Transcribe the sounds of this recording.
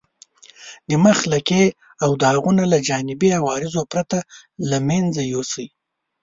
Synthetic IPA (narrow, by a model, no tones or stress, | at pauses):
d̪əmaxlake | awd̪əhaɣunalad͡ʒɑnɪbiawɑɾɪzopɾat̪alamend͡zajosəj